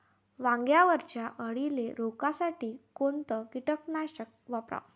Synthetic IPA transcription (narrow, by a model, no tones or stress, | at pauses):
ʋãŋɡjaʋəɾt͡ɕjaʔəɽileɾokasaʈiːkont̪əkiʈəknaɕək̚ʋapɾa̰w